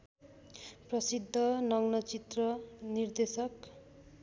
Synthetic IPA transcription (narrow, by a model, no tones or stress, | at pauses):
prʌsid̪ʱːʌnʌŋnʌt͡sit̪rʌnird̪esʌk